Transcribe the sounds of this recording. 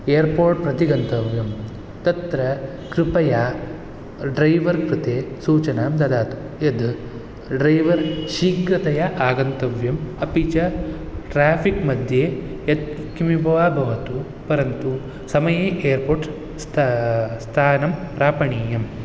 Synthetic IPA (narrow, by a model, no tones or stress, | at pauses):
eːjɐɾpoːɾʈ̚pɾɐt̪iɡɐnt̪ɐʋjɐm | t̪ɐt̪ɾɐ | kɾipɐja | ɖɾɐjʋɐɾkɾut̪eːsuːt͡ʃɐnaːmd̪ɐd̪aːt̪u̥ | ed̪ | ɖɾɐjʋɐɾʃiːkɾɐt̪ɐjɐʔaːɡɐnt̪ɐʋjɐmɐpiːt͡ʃɐʈɾaːpʰikmɐd̪ʱjeːjɐt̪̚kimibʱɐʋaːbʱɐʋɐt̪u | pɐɾɐnt̪u | sɐmɐjeːʔeːɐɾpoːɾʈ | st̪st̪ʰaːnɐmpɾaːpɐɳiːjɐm